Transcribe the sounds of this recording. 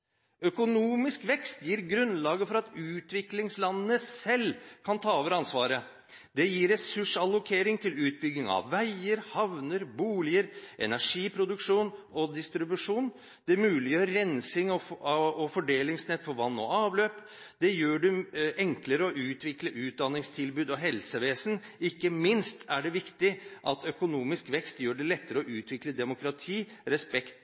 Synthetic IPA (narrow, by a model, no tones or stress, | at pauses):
œkʊnuːmɪskʋɛkst̪jiːɾɡɾʉnlɑːɡəfɔɾɑt̪ʉːt̪ʋɪklɪŋslɑnːənəsɛlkʰɑnt̪ʰɑːɔʋɾɑnsʋɑːɾə | d̪ɛjiːɾɛsʉʂɑlːʊkʰeːɾɪŋt̪ʰɪlʉːt̪̚bʏɡnɪŋɑ̰ʋːæɪəɾhɑʋnəɾbuːlɪəɾʔɛ̰næʂiːpʰɾʊd̪ʉkʂuːnɔd̪ɪst̪ɾɪbʉʂuːn | d̪̥ɛmʉːlɪjøːɾɾɛnsɪŋɔɔfɔɖeːlɪŋsnɛt̪ːfɔɾʋɑnːɔ̰ɑːʋløːp | d̪̥ɛjøːɖɛʔɛŋkləɾəɔʔʉːt̪ʰʋɪkləʔʉːt̪̚d̪ɑnːɪŋst̪ʰɪlbʉːd̪ɔɦɛlsəʋeːsən̩ɪkːəmɪnst̪æɖɛʋɪkt̪ɪʔɑt̪œkʊnuːmɪskʋɛkst̪jøːɖɛlɛt̪ːəɾəɔʔʉːt̪ʰʋɪkləd̪ɛmʊkɾɑt̪ʰiːɾɛspɛkt̪